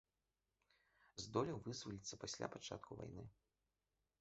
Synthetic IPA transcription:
zd̪ɔlʲɛwvɨzvɐlʲit̪sːɐpasʲlʲa̰pat͡ʂa̰t̪kuva̰jnɨ

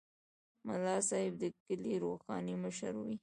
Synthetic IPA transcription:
mʊlɑsɑhɪb̚d̪əkəliɾoxɑ̰niməʃa̰ɾwi

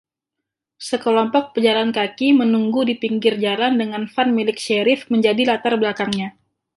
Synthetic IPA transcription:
səkəlɔmpɔk̚pəd͡ʒalankakimənuŋɡudipiŋɡɪrd͡ʒalandəŋanfanmilɪk̚ʃeɾɪfməɲd͡ʒadilat̪arbəlakaŋɲa

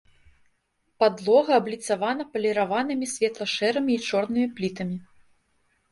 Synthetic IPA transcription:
pad̪lˠɔɣɐːblʲit̪savanɐpɐlʲɛɾavanɨmʲisʲvʲɛt̪lˠɐʂɛɾɐmʲiːt͡ʂɔrnɨmʲiplʲit̪ɐmʲi

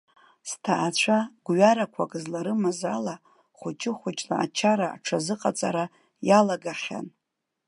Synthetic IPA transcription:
stʰaʔːt͡ɕʷʰaɡʷɥaɾakʷʰakʼɨzlaɾɨmazala | χʷʊt͡ʃʼɪχʷʊt͡ʃʼla̰ʔa̰t͡ʃʰaɾaa̰ʈ͡ʂʰazɨqʼat͡sʼa̰ɾa | jalaɡaχʲa̰n

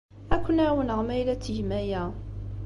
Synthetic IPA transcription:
ækʷːənæwənəʁmæjlæt͡sːʝmæjæ

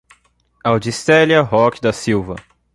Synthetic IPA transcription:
awd͡ʒist̪ɛljɐɦɔkd̪ɐsiwvɐ̰

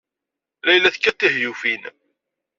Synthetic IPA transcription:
læjlæθkːæt̪ːiɦjufin

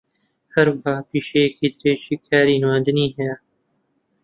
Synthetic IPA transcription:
hɐɾwəhɑːpiːʃejekʰiːd̪ɨɾeːʒiːkʰaːɾiːnwaːnd̪ɨniːɦɛjɛ

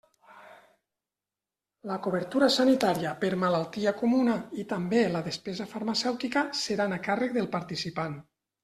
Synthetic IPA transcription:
ləkuβəɾt̪uɾasanit̪aɾiəpəɾmalalˠt̪iakumunait̪ambeləðespɛzafaɾmasɛwt̪ikəseɾanakarəkðelˠpaɾt̪isipan

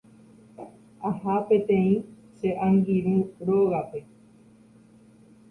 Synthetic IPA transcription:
ahapẽ̞t̪ẽ̞ĩ | ʃe̞ʔãŋɡiɾũɾoɣape̞

